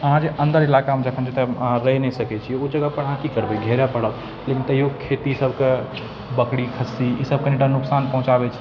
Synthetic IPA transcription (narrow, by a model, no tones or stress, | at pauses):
əɦãd͡ʒeʔənd̪əɾilakamed͡ʒəkʰənd͡ʒet̪ẽɾəɦɛnɛsəkɛt͡ʃʰiod͡ʒəɡapəɽɦãkikəɾbɛɡʱɛɾapəɽəb | lekint̪əɦijokʰet̪isəbʱke | bəkɽikʰəsiisəb̚keneʈanuksanpə̃ɦũt͡ʃabɛt͡ʃʰi̥